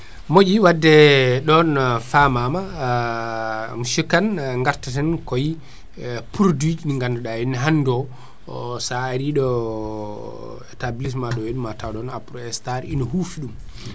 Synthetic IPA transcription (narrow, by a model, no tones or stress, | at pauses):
mod͡ʒiwadːɛɗɔnfamama | muʃukanŋɡaɾtatɛnkɔji | puɾdid͡ʒniŋɡandɔɗainɦandɔ | saːɾiɗɔ | tabilis̬maɗɔweɗumatawɗɔnapɾɔɛstaɾinɔhufiɗum